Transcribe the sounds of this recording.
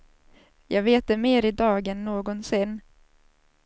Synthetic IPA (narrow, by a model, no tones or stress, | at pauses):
jʔɑːɡveːt̪̚d̪ɛmeːɾɪd̪ɑːɡɛnːoːɡɔnsɪnː